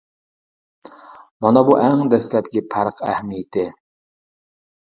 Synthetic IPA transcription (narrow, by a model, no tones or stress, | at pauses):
mɑnɑbuʔɛŋd̪ɛslɛp̚kʲipʰæɾqʰæ̰hmijɪt̪ʰɪ